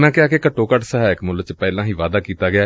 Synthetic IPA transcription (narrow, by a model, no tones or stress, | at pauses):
nãːkɪaːkekəʈːoːkəʈsəɦɛːɪkmʊlət͡ʃpɛːlãːɦiːʋaːd̪aːkiːt̪aːɡɪaː